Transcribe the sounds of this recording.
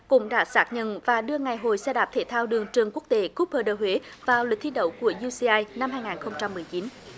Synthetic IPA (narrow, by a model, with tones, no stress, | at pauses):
kʊ̰˧˥ŋ͡mɗa̰ː˧˥saː˦˥k̚ɲə̰˧˨nvaː˨˩ɗɨ˧əŋa˨˩jɦo˧˨˩jsɛ˧ɗaː˨˩p̚t̪ʰe˧˩t̪ʰaː˧wɗɨ˨˩əŋt͡ɕɨ˨˩əŋku˦˥ək̚t̪e˨˦ku˦˥p̚həː˧˩ɗəː˨˩hwe˨˦vaː˨˩wlwə˨˩t̚t̪ʰi˧ɗə̰˧˥wku˧˩əzu˧si˧ʔaː˧jna˧mhaː˧jŋaː˨˩nxə˧wŋ͡mt͡ɕa˧mːɨ˨˩əjt͡ɕi˨˦n